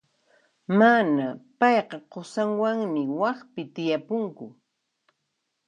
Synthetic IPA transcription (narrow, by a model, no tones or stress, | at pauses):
manapɑjqɑqosaŋwaŋmɪwɑχpɪt̪ɪjapʊŋkʊ